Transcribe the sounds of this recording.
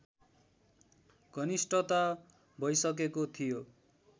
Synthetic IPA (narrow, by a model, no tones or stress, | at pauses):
ɡ̥ʱʌnisʈʰʌt̪a | bʱʌjsʌk̬ekot̪ʰijo